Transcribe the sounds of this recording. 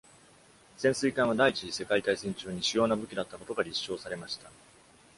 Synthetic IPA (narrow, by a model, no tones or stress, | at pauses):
z̥ẽ̞sɨik̪ãɰ̃β̞ad̪ait͡ɕise̞kait̪aisẽ̞ɲ̟t͡ɕɨːɲ̟iɕɨjo̞ːnabɯ̟kʲid̪at̪ːako̞t̪o̞ɡaɾʲiɕːo̞ːsaɾe̞maɕi̥t̪a